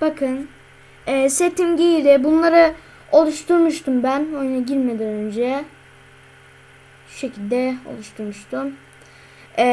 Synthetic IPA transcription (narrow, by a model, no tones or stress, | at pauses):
b̥akʰɯn | ɛːset̪imɟijilɛbunlˠaɾɯ | o̞lˠuʃt̪ʰuɾmuʃt̪ʰumbænojnaɟiɾmed̪ænønd͡ʒɛ | ʃecʰilʲd̪ɛo̞̰lˠuʃt̪ʰuɾmuʃt̪ʰum